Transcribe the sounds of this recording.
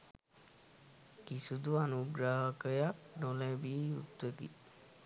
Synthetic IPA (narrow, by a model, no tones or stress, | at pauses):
kisud̪uanuɡɾaɦakəjak̚nolɛbiut̪wəɡḭ